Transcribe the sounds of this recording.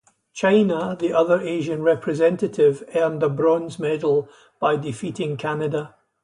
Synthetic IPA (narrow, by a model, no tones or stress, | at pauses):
t͡ʃʰãɪnəðiʔʌðə˞ʔeʒə̃nɹɛpʰɹɪzɛ̃nʔəʔɪvɛɹmdəbɹɔ̃nzmɛdl̩ˠ | b̥aɪdɪfiʔɪ̃ŋkʰanədə